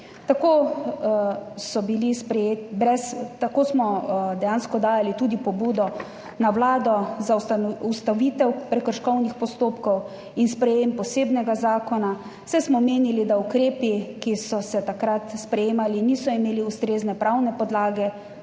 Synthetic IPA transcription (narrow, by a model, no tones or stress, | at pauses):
t̪akoː | sɔbilispɾɛjeːt̪ibɾɛst̪akoːsmɔd̪ɛjaːnskɔd̪aːjalit̪ud̪ipɔbuːd̪ɔ | nawlaːd̪ɔzasaɔust̪aʋit̪ɛwpɾɛkəɾʃkɔwnixpɔst̪oːpkɔw | inspɾɛjempɔseːbnɛɡazaːkɔna | sɛjsmɔmeːnilid̪aukɾeːpikisɔsɛt̪akɾat̪spɾɛjeːmaliniːsɔimeːliust̪ɾeːznɛpɾawnɛpɔd̪laːɡɛ